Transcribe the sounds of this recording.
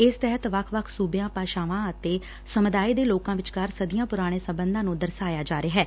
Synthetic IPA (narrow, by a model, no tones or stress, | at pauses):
ɪst̪ɛɦət̪ʋəkʰʋəkʰsuːbejãːpaːʃaːʋãːət̪eː | səmʊd̪aːiːd̪eːloːkãːʋɪt͡ʃɡaɾsəd̪ijãːpʊɾaːɽ̃eːsəmbənd̪ãːnũːd̪əɾsaːjaːd͡ʒaːɾeɦɛː